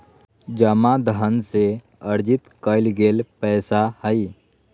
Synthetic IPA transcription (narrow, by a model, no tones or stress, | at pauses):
d͡ʒəmad̪əɦənse | əɾd͡ʒɪt̪kəɪlɡeːlpɛːsahəi